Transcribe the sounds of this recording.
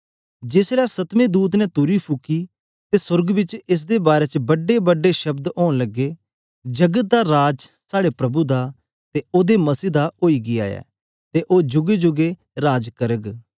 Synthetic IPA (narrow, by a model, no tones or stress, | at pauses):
d͡ʒɪsɾɛːsɐt̪mẽːd̪uːt̪̬nɛt̪ʊɾipʰʊkːi | t̪esʊɾɡbɪt͡ʃɪs̬d̪ebaːɾeːt͡ʃbɐɖebɐɖːeʃɐbd̪oːnlɐɡːeː | d͡ʒɐɡət̪̚d̪aɾaːd͡ʒsaːɽepɾɐbud̪a | t̪eoːd̪emɐsiːd̪aoːiːɡɪa̰ːjɛ̰ː | t̪eʔoːd͡ʒʊɡed͡ʒʊɡe | ɾaːd͡ʒkəɾəɡ